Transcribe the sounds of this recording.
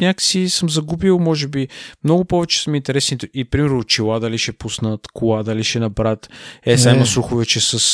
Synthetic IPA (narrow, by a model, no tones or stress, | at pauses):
nʲak̪sisəmzɐɡubilˠmɔʒɛbimnɔɡʊpɔvɛt͡ʃɛ̥səmint̪ɛɾɛsnit̪ɛʔipɾimɛɾnʊt͡ʃilˠad̪aliʃɛpusnət̪kʰʊlˠad̪aliʃɛnɐbɾat̪ɛsaimɐsɾuxʊvɛt͡ʃɛsəs